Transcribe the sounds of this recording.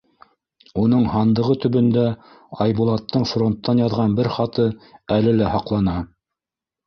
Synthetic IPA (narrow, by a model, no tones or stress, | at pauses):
unɤɴhɑnd̪ɤ̆ʁɤt̪ɵ̆βɵ̆nd̪æ | ɑjbulˠɑt̪ːɤɴfro̞nt̪ːɑnjɑðʁɑnbɘɾχɑt̪ɤælɘlæhɑqlˠɑnɑ